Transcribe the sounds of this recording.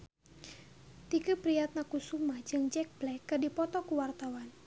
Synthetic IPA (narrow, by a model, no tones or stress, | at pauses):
t̪ikupɾiat̪̚nakusumad͡ʒɨŋd͡ʒɛk̚blɛkːədipɔt̪ɔkuwart̪awan